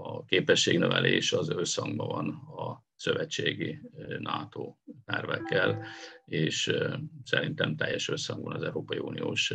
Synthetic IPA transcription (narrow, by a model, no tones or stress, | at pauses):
ɒkeːpɛʃːeːɡnøvɛlʔeːʃɒzøsɒŋɡbɒvɒnɒ | søvɛt͡ʃːeːɡinʔaːt̪oːt̪ɛrvɛkːɛleːʃsɛɾint̪ɛmt̪ɛjːɛʃøsɒŋɡbɒnɒzɛuwɾoːpɒjiuːnijoːʃ